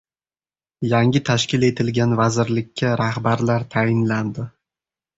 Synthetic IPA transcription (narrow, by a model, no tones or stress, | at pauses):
jaŋʲɪt̪ʰaʃkʲɪle̞t̪ʰɪlɡʲanvazɪɾlɪkʲʰːaɾahbaɾlaɾt̪ʰajɪnland̪ɪ